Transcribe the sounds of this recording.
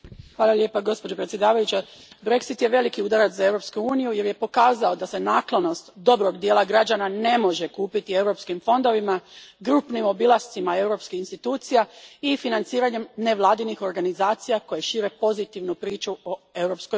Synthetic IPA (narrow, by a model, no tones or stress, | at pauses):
xʋaːlalje̞ːpaɡo̞spo̞d͡ʑo̞pɾet̪sʲjed̪aːʋajut͡ɕe | bɾe̞ksit̪je̞ʋe̞likiud̪aɾat̪zae̞wɾo̞pskuuːnijuje̞ɾje̞po̞kaːzao̞d̪asenaːklˠono̞st̪d̪o̞bɾo̞ɡd̪je̞ːlaɡɾad͡ʒanane̞mo̞ʒe̞kuːpit̪ie̞wɾo̞pskimfo̞nd̪o̞ʋimaɡɾupnimo̞bilˠast̪simaewɾo̞pskihinst̪it̪uːt̪sijaifinant̪siːɾaɲe̞mne̞ʋlˠaːd̪inixo̞ɾɡanizaːt̪sijako̞jeʃiːɾe̞po̞zit̪iʋnupɾiːt͡ʃuoe̞wɾo̞psko